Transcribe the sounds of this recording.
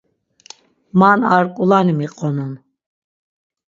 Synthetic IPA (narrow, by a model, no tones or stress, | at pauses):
manaɾkʼulanimiqʼɔnun